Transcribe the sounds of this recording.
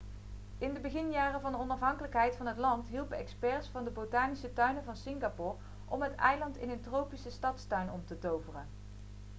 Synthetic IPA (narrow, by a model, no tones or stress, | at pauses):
ɪndəbəɣɪnjaːrəvɑndəɔnɑfɦɑŋkələkɦɛjtfɑnɦətlɑntɦilˠpəɛkspɛɹsfɑndəbotaːnisətœɥnəvɑnsɪŋɡapʊːɹ | ʔɔmɦətɛjlɑntɪnəntrowpisəstɑtstœɥnɔmtətowvərən